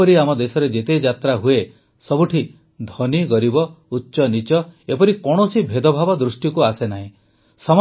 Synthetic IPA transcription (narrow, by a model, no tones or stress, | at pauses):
ɔɾiamɔd̪esɔɾed͡ʒet̪ed͡ʒat̪ɾaɦue | sɔbuʈʰi | d̪ʱɔniɡɔɾibɔutːʃɔnit͡ʃɔepɔɾikɔɽ̃ɔsibʱed̪ɔbʱabɔd̪ɾusʈikuasenaɦĩ | sɔm